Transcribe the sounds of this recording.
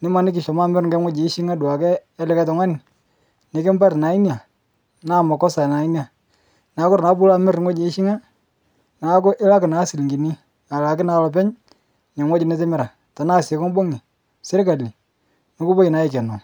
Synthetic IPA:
nɪ˦ma˦nɪ˦k̬ɪ˨ʃɔ˨ma˦mɛ˦ɾŋɡɛ˦ŋʷwɔ˦d͡ʒe˨˦ʃi˦ŋa˦du˨a˨kɛː˦lɪ˦ka˦tɔ˨ŋwa˦nɪ˨ | nɪ˨kɪ˦mba˦ɾna˨˦i˦n˦a˨ | na˦˨ma˨kɔ˦sa˨na˨i˦nja˨ | na˨˦kʊ˦ɾna˨˦bu˦la˦mɪ˦ɾŋɔ˦d͡ʒe˨˦ʃi˦ŋa˦ | na˨˦kʊ˦ʔɪ˦la˦kɪ˨na˨˦si˨lɡi˨ni˦ | a˨la˨kɪ˦na˨˦lɔ˨p̬ɛ˦ɲ | ne˨ŋʷwɔ˦d͡ʒi˨nɪ˦t̬ɪ˦mɪ˦ɾa˨ | ta˨naː˦˨se˨kɔ˦ŋ˦bo˦ŋi˨ | sɪ˦ɾka˨li˨ | no˨˦kʊ˦bɔ˦i˨na˨˦ɪ˦˨kɛ˨nɔ˨

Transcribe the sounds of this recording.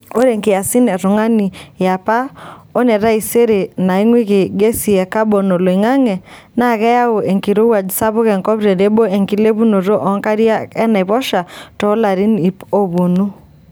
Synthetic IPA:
o˦ɾe˨ŋkɪ˨ja˨si˦nɛ˨ɾʊ˨ŋa˦ni˨ja˨pa˦o˦nɛ˨ɾa˦i˨se˦ɾe˨na˨i˦ŋwi˦ke˨ɡe˦si˨ɛ˨ka˦bo˨no˨lo˨i˨ŋa˦ŋɛ˨ | na˦˨ɣɛ˦ja˦o˨e˨ŋki˨ɾo˦wa˨d͡ʒsa˦βʊ˦kɛ˨ŋkɔ˦pɾe˨de˦bo˦e˨ŋki˦le˦βu˦no˨ɾo˦ʔɔ˨˦ŋka˦ɾi˦a˦ɛ˦na˨βɔ˦ʃa˨tɔ˨˦la˨ɾi˦ni˨po˦βo˨nu˦

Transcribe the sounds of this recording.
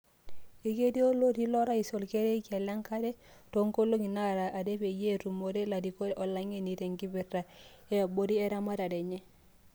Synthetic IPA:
e˨ke˦di˦o˦lo˦di˦lo˦ɾa˦i˨so˨lke˦ɾe˦i˦ka˨la˦ŋka˦de˦to˦ŋko˦lo˦ŋi˨na˦ɾa˨ʔa˨de˦pe˨je˦˨ɾu˨mo˨ɾe˦la˨di˨ko˦ʔo˨la˦ŋe˦ni˨ɾe˨ŋɡi˦bi˨ra˨ | e˦˨bo˦di˦e˦ɾa˦ma˦ɾa˨de˨ɲe˦

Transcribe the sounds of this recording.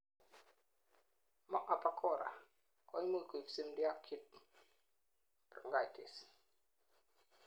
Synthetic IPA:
mɔ˦ʔa˨pa˦kʰɔ˦˨ɾa̰˨ | kɔ˦jmu˦˨ku˨i˨fsi˦mdi˦a˦kʰːi˦t̚ | prŋɡa˨jtʰḭ˨s

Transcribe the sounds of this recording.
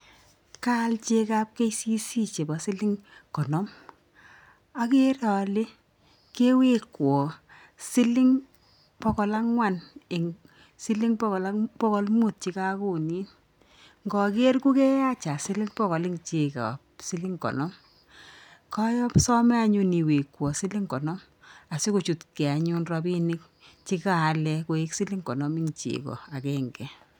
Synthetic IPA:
ka˦lt͡ʃe˦ka˦p̚ke˦jsi˦si˦t͡ʃe˨bɔ˨sɪ˦lɪ˦ŋkɔ˨nɔ˦m | a˦ke˦rɔ˨le˦ | ke˦we˦kwɔ˨ | sɪ˦lɪ˦ŋ | pɔ˦kɔ˨la˦ŋwa˨nɪ˨ŋ | si˦lɪ˦ŋpɔ˦kɔ˨la˦pɔ˦kɔ˦lmu˦˨t̚t͡ʃi˧ka˦ku˨ni˦n | ŋɡɔ˨ke˦rku˦kɛ˦ja˦t͡ʃa˨si˦lɪ˦ŋpɔ˦ɣɔ˨lɪ˦ŋt͡ʃe˨ka̰˨psi˦li˦ŋkɔ̰˨nɔ˦m | kɔ˦jɔ˦psɔ˦mɛ˦a˦ɲu˦ni˨we˨kwɔ˨si˦li˦ŋkɔ˨nɔ˦m | a˨si˦ku˨t͡ʃu˨tkɛ˨a˨ɲu˦nrɔ˧bi˦nɪ˦k̚ | t͡ʃi˦kaː˦˨˦lɛ˦ko˨i˦ksi˦li˦ŋkɔ˨nɔ˦mɪ˦ŋt͡ʃḭ˨kɔ̰˨a˨kɛ˦ŋɡɛ˨

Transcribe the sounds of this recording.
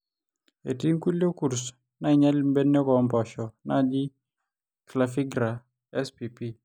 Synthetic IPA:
ḛ˨ti˦ŋku˦ljo˦ku˨ɾs | na˦˨ɲɛ˦lmbe˦nː˦ɔ˦kɔ˨˦mpɔ˨ʃɔ˨na˦d͡ʒi˦ | kla˨fi˦ɡɾa˨ | ɛ˦spi˨pi˦

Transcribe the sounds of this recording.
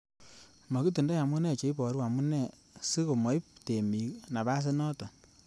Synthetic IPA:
ma˨ku˦tu˨ndɔ˦ja˨mu˦nɛ˦˨t͡ʃe˨i˦pɔ˨ɾwa˨mu˦nɛ˦˨ | si˦ko˨mɔ˨˦jpte˨mi˨kna˨ba˦s̬ɪ˦nɔ˦tɔ˨

